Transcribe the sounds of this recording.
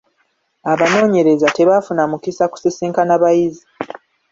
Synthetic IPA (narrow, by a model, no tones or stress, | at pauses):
aβano̞ːɲe̞ɾe̞zate̞βafunamukisaku̥sisiːŋkanaβajizi